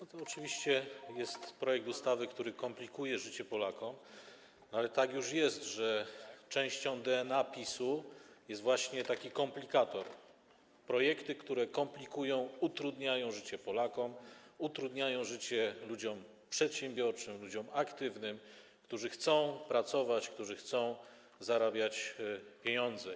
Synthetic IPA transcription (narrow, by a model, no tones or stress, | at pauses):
nɔt̪ɔːt͡ʂɘvʲiɕt͡ɕɛjɛst̪pɾɔjɛk̚t̪ust̪avɘkt̪uɾɘkɔmplʲikujɛʐɘt͡ɕɛpɔlakɔm | nɔalɛt̪akjuʂjɛst̪ʐɛt͡ʂɛ̃w̃ɕt͡ɕɔ̃w̃d̪ɛɛnapʲisujɛst̪vwaɕɲɛt̪akʲikɔmplʲikat̪ɔɾ | pɾɔjɛkt̪ɘkt̪uɾɛkɔmplʲikujɔ̃w̃ut̪ɾud̪ɲajɔ̃w̃ʐɘt͡ɕɛpɔlakɔmut̪ɾud̪ɲajɔ̃w̃ʐɘt͡ɕɛlud͡ʑɔm | pʂɛt̪ɕɛ̃mbʲjɔɾt͡ʂɘmlud͡ʑɔmakt̪ɘvnɘm | kt̪uʐɘxt̪sɔ̃w̃pɾat̪sɔvat͡ɕkt̪uʐɘxt̪sɔ̃w̃ | zaɾabʲjat͡ɕpʲjeɲɔnd̪zɛ